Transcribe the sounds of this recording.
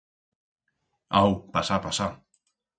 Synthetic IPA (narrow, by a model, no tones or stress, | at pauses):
awpasapasa